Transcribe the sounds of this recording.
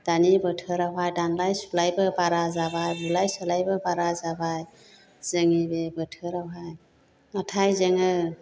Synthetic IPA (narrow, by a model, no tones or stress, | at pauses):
d̥anibətʰɯɾawɦajdaŋlajsulajbɯbaɾazabajbulajsɔlajbəbaɾazabaj | z̥ɯŋibebɯtʰɯɾawɦaj | atʰajzeŋɯ